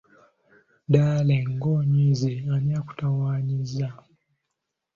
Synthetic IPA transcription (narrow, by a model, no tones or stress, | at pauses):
daːleŋɡoɲizianiaku̥tawaːɲiza